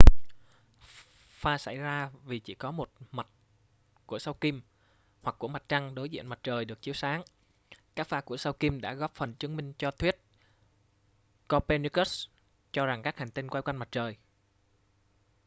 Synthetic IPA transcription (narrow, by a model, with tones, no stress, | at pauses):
faː˧sa̰˧˩jzaː˧vi˨˩t͡ɕḭ˧˩kɔ˨˦mo˨˩t̚ma˨˩t̚ | ku˧˩əsa˧wki˧m | hwa˨˩k̚ːu˧˩əma˨˩t̚t͡ɕa˧ŋɗo˨˦jzḭ˧˨ənma˨˩t̚t͡ɕəː˨˩jɗɨ˨˩ək̚t͡ɕi˨˦əwsaː˨˦ŋ | kaː˦˥k̚faː˧ku˧˩əsa˧wki˧mɗa̰ː˧˥ɣɔ˦˥p̚fə˨˩nt͡ɕɨ˨˦əŋmï˧ŋ̟t͡ɕɔ˧t̪ʰwi˦˥ət̚ | kɔ˧pe˧ni˧kə˦˥s | t͡ɕɔ˧za˨˩ŋka˦˥k̚ha˨˩ŋ̟t̪i˧nkwa˧jkwa˧ŋma˨˩t̚t͡ɕəː˨˩j